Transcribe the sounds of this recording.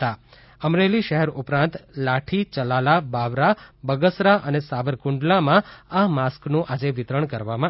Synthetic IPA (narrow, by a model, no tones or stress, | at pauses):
a | əmɾeliʃəɦɛɾupɾãnt̪laʈʰit͡ʃəlalabaʋɾabəɡəsɾaʔənesaʋəɾkʊ̃ɳɖlamãamasknũʔad͡ʒeʋɪt̪ɾəɳkəɾʋamã